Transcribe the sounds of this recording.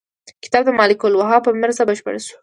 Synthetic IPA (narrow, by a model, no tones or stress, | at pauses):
kɪ̥t̪ɑb̚d̪əmɑlɪkolwaɦɑpəmɪɾzabəʃpə̰ɽaʃu̥